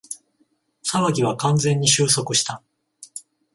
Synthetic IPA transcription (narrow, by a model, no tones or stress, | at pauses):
saβaɡʲiβakãnd͡zẽ̞ɲ̟ːiɕɨːso̞kɯ̟ɕi̥t̪a